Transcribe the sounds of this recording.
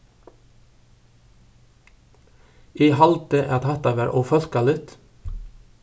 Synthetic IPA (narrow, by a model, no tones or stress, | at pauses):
iːhɑlt̪eʔɑt̪hɑt̪ɑʋæɾʔoːfœlkɑlɪt̪